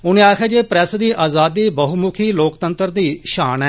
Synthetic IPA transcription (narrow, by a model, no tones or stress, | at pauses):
ʊnẽːaːkʰɛːd͡ʒeːpɾɛsd̪iːʔaːzaːd̪iːbəɦumʊkʰiːloːkt̪ənt̪əɾd̪iːʃaːnɛː